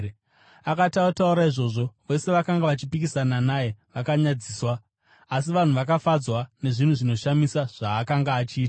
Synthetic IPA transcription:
akatautauɾaiʐo̞ːʐo̞ʋe̞se̞ʋakaŋɡaʋat͡ʃipikisananaje̞ʋakaɲad͡ziːswaː | s̬iʋan̤uʋakafad͡zwane̞ʐin̤uʐino̞ʃamisaʐ̥aːkaŋɡaːt͡ʃiːta

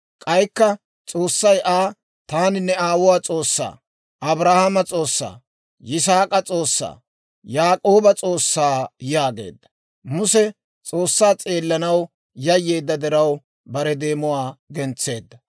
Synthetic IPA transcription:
kʼɐjkːɐ | t͡sʼo̞ːsːɐjʔaː | t̪aːnɪnːɛaːwʊwaːt͡sʼo̞ːsːa̰ː | ʔɐbɾahɐmɐt͡sʼo̞ːsːa̰ː | jɪs̬aːkʼɐt͡sʼo̞ːsːa̰ː | jaːkʼoːbɐt͡sʼo̞ːsːaːjaːɡe̞̰ːd̪ːɐ̥ | mʊsɛ | t͡sʼo̞ːsːaːt͡sʼeːlːɐnɐw | jɐjːe̞ːd̪ːɐd̪ɛɾɐw | bɐɾɛd̪e̞ːmʊwaːɡɛnt͡sːe̞ːd̪ːɐ

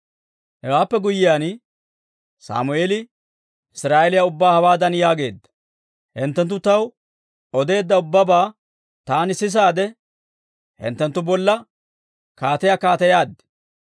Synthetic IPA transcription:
hɛwaːpːɛɡʊjːɪjaːn | sa̰ːmʊeːlɪ | ʔɪsɾaːʔɛlɪjaʊbːaːhɐwaːd̪ɐnjaːɡe̞ːd̪ːɐ̥ | hɪnt̪ːɛnt̪ːʊt̪ɐw | ɔd̪e̞ːd̪ːɐʊbːɐbaː | t̪aːnɪsɪs̬aːd̪ɛ | hɪ̰nt̪ːɛnt̪ːʊbɔlːɐ | kaːt̪ɛjaːkaːt̪ɐjaːd̪ːɛ̥

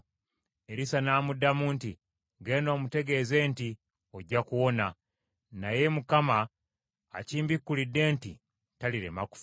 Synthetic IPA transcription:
eɾisanaːmudːamuːnti | ɡeːno̞ːmute̞ɡe̞ze̞ːnti | oɟːakuwo̞na | naje̞mukamaː | ciːmbikːulidːe̞ːnti | taliɾḛmaku̥f

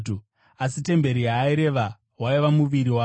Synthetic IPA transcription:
u | as̬ite̞mbe̞ɾijaːiɾe̞ʋa | ɦwaiʋamuʋiɾiwa

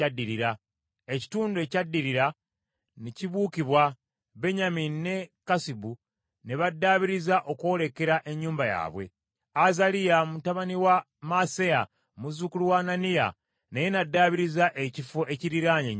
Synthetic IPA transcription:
adːiɾiɾa | eci̥tuːndue̞ːcadːiɾiɾa | neciβuːkiβwa | βe̞ɲaminine̞kasibu | ne̞βadːaːβiɾizaʔo̞kwo̞ːle̞keɾaʔe̞ɲːuːmbaja̰ːβwe̞̰ | azalijamutaβaniwa | maseja | muzukuluwaːnanija̰ | nejenadːaːβiɾizaʔecifoʔe̞ciɾiɾaːɲe

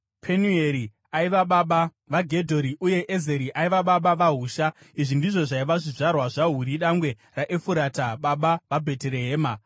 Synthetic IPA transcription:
pʰenueɾi | aiʋaɓaɓa | ʋaɡʱe̞dʱo̞ɾiʔuje̞ʔezeɾiʔaiʋaɓaɓaʋaɦuːʃa | iʐindiʐo̞ʐaiʋaʐiʐarwaʐaɦuɾiɗaŋɡwe̞ | raʔefuɾataɓaɓaʋabʱe̞teɾe̞ɦeːma

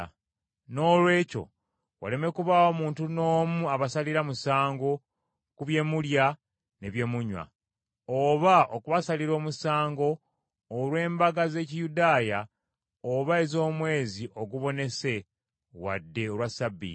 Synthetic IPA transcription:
no̞ːlwe̞ːco̞̰ | wa̰le̞me̞kuβao̞ːmuːntunoːmuaβasaliɾamusaːŋɡo̞ | kuβje̞mulja | ne̞βje̞muɲwa̰ | oβaokuβasaliɾo̞ːmusaːŋɡo̞ː | lwe̞ːmbaɡaze̞ːcijudaːja | oβae̞zo̞ːmwe̞ːziʔo̞ɡuβo̞ne̞se̞ | wa̰dːe̞olwasabːḭ

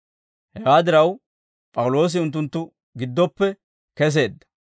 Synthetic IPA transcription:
hɛɡaːd̪ɪɾɐw | pʼɐwlo̞ːs̬ɪʊnt̪̬ːʊnt̪ːʊ | ɡɪd̪ːɔpːɛ | kɛs̬e̞ːd̪ːɐ̥

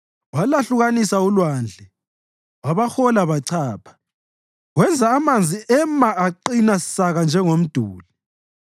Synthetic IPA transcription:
walaɬuɣanisaulwaːnd͡ɮʱɛ | waβaxɔlaβaǀʰaːpʰḁ | ɣwɛnd͡zʱaːmand͡zʱiʔɛmaaǃinasi̥saɣand͡ʒʱɛŋom̩d̥ʱuːli

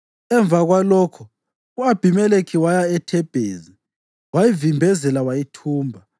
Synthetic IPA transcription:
ɛɱb̪vaɣwalɔːkʰɔ | uab̥ʱimɛlekʰiwajaɛtʰɛb̥ʱeːzi | wajivimbʱɛzɛlawajitʰuːmbʱa

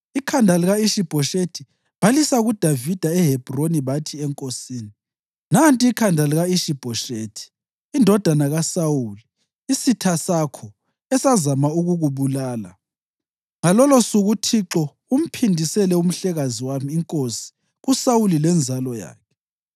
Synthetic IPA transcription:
ikʰandʱaliɣaiʃib̥ʱɔʃetʰi | b̥alisauɣud̥ʱavid̥ʱaɛɦɛb̥ʱroniβatʰiɛŋkʼosiːni | nantʼiːkʰandʱaliɣaiʃib̥ʱɔʃeːtʰi̥ː | ndʱɔd̥ʱanaɣasauliː | sitʰasakʰɔ | ɛsazamauɣuɣuβulaːla̰ | ŋalɔlɔsuɣutʰiǁɔ | um̩pʰindʱisɛlɛum̩ɬɛɣaziwamiːŋkʼosi̥ | ɣusawulilɛnd͡zʱalɔja̰ːkʰɛ̥

